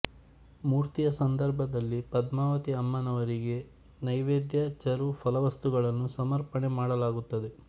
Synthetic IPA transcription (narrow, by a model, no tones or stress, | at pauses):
muːɾt̪ijɐsɐnd̪ɐɾbʱɐd̪ɐlːipɐd̪maːʋɐt̪iɐmːɐnɐʋɐɾiɡe̞ | nɐjʋeːd̪jɐt͡ʃɐɾufʰɐlɐʋɐst̪uɡɐɭɐnːusɐmɐɾpɐɳemaːɽɐlaːɡut̪ːɐd̪e̞